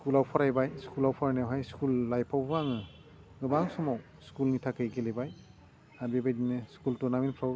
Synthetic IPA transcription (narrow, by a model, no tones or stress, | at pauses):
skulawpʰaɾajbajskulawpʰaɾajnawɦajskulːajpʰawbuaŋɯ | ɡɯbaŋsɔmaw | skulnitʰakɯjɡelebaj | aɾbebajdinɯskultɔnamenpʰɾaw